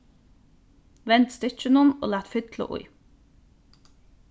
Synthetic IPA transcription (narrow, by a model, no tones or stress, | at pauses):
ʋɛnt̪st̪ʏc͡çənʊno̰ːlæːt̪fʏd̪lə̰ʔʊ̰ɪ